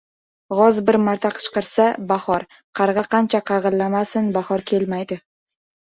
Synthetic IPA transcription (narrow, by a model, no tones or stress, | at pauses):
ʁɒzbɪɾmaɾt̪ʰaqʰɨ̥t͡ʃqɨɾsabahɒɾ | qʰɑɾʁɑqʰɑnt͡ʃʰaqʰɑʁɨlˠːamasɪnbaχɒɾkʲʰe̞lmajd̪ɪ